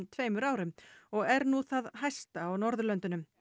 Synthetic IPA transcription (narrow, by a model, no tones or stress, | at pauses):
mt̪ʰveːjmʏɾaːwɾʏmɔɣɛɾnuθaðɦajst̪aːwnɔɾðʏlœnt̪ʏnʏm